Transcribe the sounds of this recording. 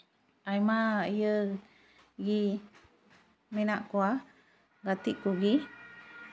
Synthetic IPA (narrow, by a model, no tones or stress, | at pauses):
ajmaijə | ɡi | menaʔkua | ɡat̪iʔkuɡi